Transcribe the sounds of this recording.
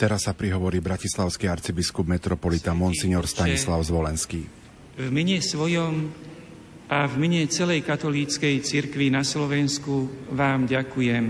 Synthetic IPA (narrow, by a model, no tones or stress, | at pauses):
t̪ɛɾasːapɾiɦɔʋɔɾiːbɾacislaʊskiaɾt͡sibiskubmɛt̪ɾɔpɔlit̪amɔnsiɲɔɾst̪aɲislaʊzʋɔlɛnskiː | vmɛɲɛsʋɔjɔm | ʔavmɛɲɛt͡sɛlɛjkat̪ɔliːt͡skɛjt͡siɾkʋinaslɔʋɛnskuʋaːmɟakujɛm